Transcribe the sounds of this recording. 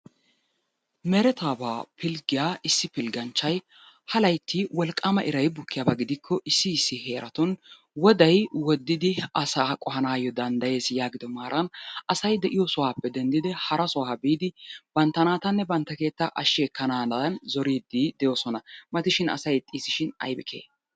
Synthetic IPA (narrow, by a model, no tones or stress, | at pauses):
mɛɾɛt̪aːbaːpʰɪlɡɪjaːʔɪsːɪpɪlɡɐnt͡ʃːɐj | hɐlɐjt̪ʰːiwɔlkʼːɐmɐʔɪɾɐjbʊkːɪjaːbɐɡɪd̪ɪkʰːɔʔɪsːɪːsːɪhe̞ːɾʔɐt̪ɔn | wɔd̪ɐjwɔd̪ːɪd̪ɪɐsaːkʼɔɦɐnaːjɔd̪ɐnd̪ɐje̞ːsjaːɡɪd̪ɔmaːɾʔɐnʔɐsɐjd̪ɛʔɪjɔsɔwaːpːɛd̪ɛnd̪ɪd̪ɪhɐɾɐsɔwaːbiːd̪ɪb̥ɐnt̪ːɐnaːt̪ɐnːɛbɐnt̪ːɐke̞ːt̪ːɐʔɐʃeːkːɐnaːnɐnzɔɾiːd̪ːid̪ɛjoːsɔnɐmɐt̪ɪʃɪnɐ̰sɐjt̪ʼːiːsɪʃɪnɐ̰jbɪkʰḛː